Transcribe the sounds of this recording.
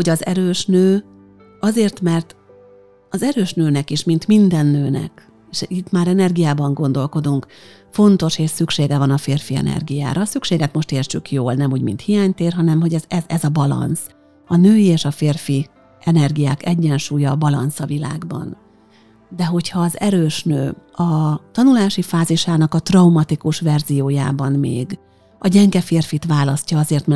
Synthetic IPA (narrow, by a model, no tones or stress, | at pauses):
ho̞ɟɒzɛɾøːʃnøː | ɒzeːrt̪mɛrt̪ | ɒzɛɾøːʃnøːnɛkiʃmint̪mind̪ɛnːøːnɛ̰k | eːʃit̪maːɾɛnɛrɡijaːbɒŋɡo̞nd̪o̞lko̞d̪uŋk | fo̞nt̪o̞ʃeːʃsykʃeːɡɛvɒnɒfeːrfiɛ̰nɛ̰rɡija̰ːɾɒːsykʃeːɡɛt̪mo̞ʃt̪eːrt͡ʃykjoːlnɛmuːɟmḭnt̪hijaːɲt̪eːrɦɒnɛmɦo̞ɟɛzɛzɛzɒbɒlɒ̰ns | ɒnøːjieːʃɒfeːrfi | ɛnɛrɡijaːkɛɟːɛnʃuːjɒːbɒlɒ̰nsɒvila̰ːɡbɒ̰n | d̪ɛɦo̞chɒːzɛɾøːʃnø̰ːɒt̪ɒnulaːʃifaːziʃaːnɒkɒt̪rɒumɒt̪ikuʃvɛrzijoːja̰ːbɒnmḛːɡ | ɒɟɛŋɡɛfeːrfit̪ʋaːlɒscɒɒzeːrt̪mɛ